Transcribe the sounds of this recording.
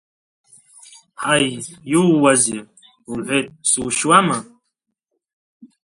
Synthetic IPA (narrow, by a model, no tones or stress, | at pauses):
ħajjuwazi | uħʷet̪̚ʼsuːʃwama